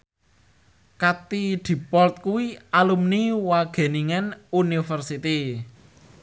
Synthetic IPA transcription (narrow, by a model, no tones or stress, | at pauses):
kat̪id̪̥i̤pɔlt̪̚kuwialumniwaɡ̥e̤niŋanunifərsit̪i